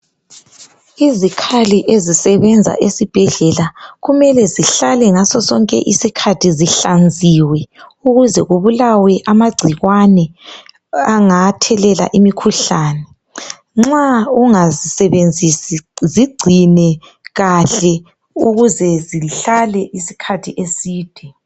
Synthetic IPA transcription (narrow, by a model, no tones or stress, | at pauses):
izikʰaliʔezisɛβɛnd͡zʱa̰ʔesib̥ʱɛɮɛlaɣumɛlɛziɬalɛŋasɔsɔŋkʼɛ̰ʔḭsikʰatʰiziɬand͡zʱiwɛuɣuzɛɣuβulawɛʔamaɡ͡ǀʱiɣwanɛ | aŋatʰɛlɛla̰ʔimikʰuɬaːnɛ | ŋ͡ǁauŋazisɛβend͡zʱisiziɡ͡ǀʱinɛ | ɣaɬɛ | uɣuzɛziɬalɛʔisi̥kʰatʰiʔesiːd̥ʱɛ